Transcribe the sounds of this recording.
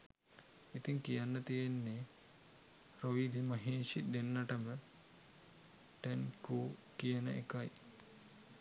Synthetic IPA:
it̪iŋkijanːət̪ijenːe | ɾoʋid̪imɐɦeːʃid̪enːɐʈəmə | ʈenkuːkijanə̰ʔḛkaj

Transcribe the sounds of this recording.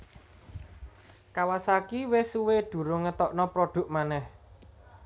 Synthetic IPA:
kawasakiwɪsuweɖ̪̥ṳɾʊŋət̪ɔʔnɔpɾoɖ̪̥ṳk̚manɛh

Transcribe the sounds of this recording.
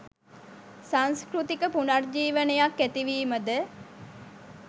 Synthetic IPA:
saŋskɾut̪ikəpunard͡ʒiːʋənəjakːæt̪iʋiːməd̪ə

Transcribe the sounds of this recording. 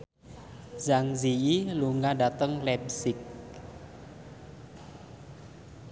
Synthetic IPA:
zaŋziiluŋaɖat̪əŋlɛp̚sɪk̚

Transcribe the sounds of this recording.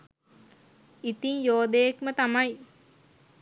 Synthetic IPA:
it̪iŋjoːd̪ejekmət̪amaj

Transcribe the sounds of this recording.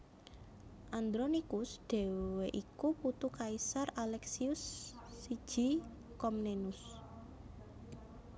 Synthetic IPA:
ʔand̪ɾɔnikusɖ̥e̤weʔikuput̪ukaisaralɛksiʊsːi̥ʒ̥i̤ | kɔmnenʊs

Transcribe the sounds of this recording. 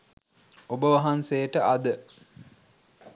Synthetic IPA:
obəʋɐɦansejəʈəʔɐd̪ə

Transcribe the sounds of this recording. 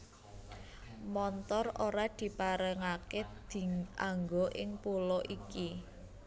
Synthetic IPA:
mɔnt̪ɔroɾad̪̥i̤paɾəŋaked̪̥i̤aŋɡoʔɪŋpulɔʔiki

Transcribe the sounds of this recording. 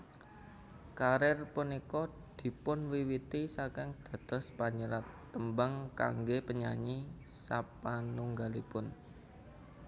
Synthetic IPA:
kaɾɪrpənikɔ | d̪̥i̤pʊnwiwit̪isakɪŋd̪̥ä̤d̪̥ɔ̤spaɲəɾat̪ːəmbəŋka̰ŋɡepəɲaɲi | sapanuŋɡalipʊn

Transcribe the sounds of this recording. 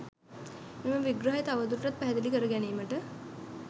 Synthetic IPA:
meməʋiɡɾəɦet̪aʋəd̪uɾʈat̪̚pæɦæd̪elikəɾəɡæniːməʈə

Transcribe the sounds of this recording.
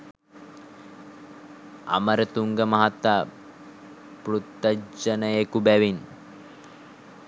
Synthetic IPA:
a̰məɾət̪uŋɡəmɐɦat̪aː | pɾut̪ːəd͡ʒənəekubæʋin

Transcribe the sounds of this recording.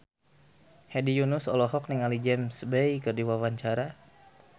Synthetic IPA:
hɛdijunʊsɔlɔɦɔk̚niŋalid͡ʒɛmsbejkərdiwawaɲt͡ʃaɾa

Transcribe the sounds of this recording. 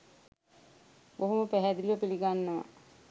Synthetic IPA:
boɦoməpæɦæd̪ilʋəpiliɡanːəʋa̰

